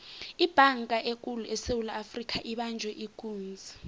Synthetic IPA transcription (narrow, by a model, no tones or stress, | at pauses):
ib̥ʱaŋkʼaʔekʼuluʔɛsewulaafrik̬ʰʼaʔiɓand͡ʒʱwɛʔikʼuːnd͡zʱi